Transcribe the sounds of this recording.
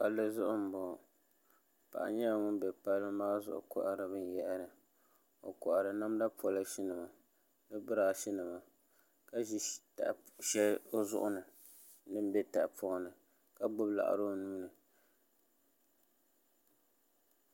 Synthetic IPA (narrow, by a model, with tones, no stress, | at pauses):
pa˦lːɨ˦zʊ˦ʔʊ˦m̩˨bɔ˨ | pa̰˨ʔa̰˨ɲɛ˦a˨ŋʊ˦n˦bɛ˨pa˦lːɨ˦maː˦zʊ̰˨ʔʊ̰˨kʊ˦ʔa˨ɾɨ˨bɨ˦n˨jɛ˦ʔɾɨ˨ | o̰˨kʊ˨ʔa˨ɾɨ˨na˦mda˦pɔ˨la˦ʃi˦nɨ˨ma˨ | nɨ˦bɨ˦ɾa˨ʃi˦nɨ˨ma˨ | ka˦ʒi˦ta̰˨ | ʃɛ˦o˦zʊ̰˦ʔʊ˦nɨ˨ | nɨ˦m˦bɛ˦ta˨ʔpʰɔ˦nɨ˨ | ka˦ɡ͡bʊ˦bla̰˨ʔa̰˨ɾo˦˨nuː˦nɨ˨